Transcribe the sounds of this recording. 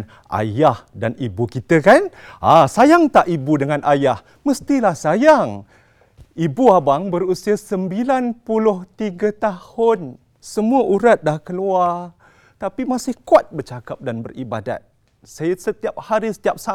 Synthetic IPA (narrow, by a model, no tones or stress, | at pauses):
n | ʔa̰jahdanibukit̪əkan | asajaŋt̪aʔibudəŋanʔajah | məst̪ilahsajaŋ | ibuabaŋbərusiasəmbilanpulʊht̪iɡət̪ahʊn | səmuəʔuɾat̪̚dlahkəluar | t̪apimasɪhkuat̪̚bərt͡ʃakap̚danbə̰ribada̰t̪̚ | sajəsət̪iap̚haɾisə̥t̪iap̚sa